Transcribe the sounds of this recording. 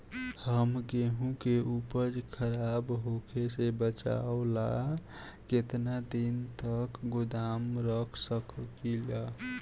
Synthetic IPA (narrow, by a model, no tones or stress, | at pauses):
həmɡeɦũkeʔupəɾd͡ʒkʰəɾabɦokʰesebət͡ʃa̰ola | ket̪nad̪int̪əkɡud̪amɾəkʰsəkkila